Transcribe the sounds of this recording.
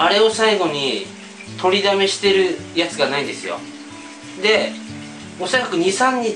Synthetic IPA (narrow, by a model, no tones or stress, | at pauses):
aɾe̞o̞saiɡo̞ɲ̟i | t̪o̞ɾʲid̪ame̞ɕi̥t̪e̞ɾɯ̟jat͡sɨɡanaĩd̪esɨjo̰ | d̪e̞ | o̞sakakɯ̟ɲ̟isãɲ̟ːi